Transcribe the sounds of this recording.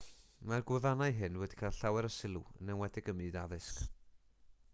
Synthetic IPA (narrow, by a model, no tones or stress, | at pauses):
marɡwɛvanajɦɨnwɛdi̥kʰaːlˠɬawɛɾəsɪlˠṵənːɛnwɛdɪɡəmɨːdaðɨsk